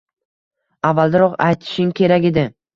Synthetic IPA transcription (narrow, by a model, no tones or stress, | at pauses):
avːalˠd̪aɾɒqa̰jt̪ʰɪ̥ʃɪŋkʲʰe̞ɾaɡʲed̪ɪ